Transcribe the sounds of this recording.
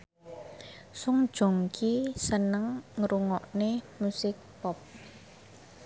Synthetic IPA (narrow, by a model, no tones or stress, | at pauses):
sʊŋ̥ʒ̥o̤ŋkʰisənəŋŋɾuŋɔʔnemusɪk̚pɔp̚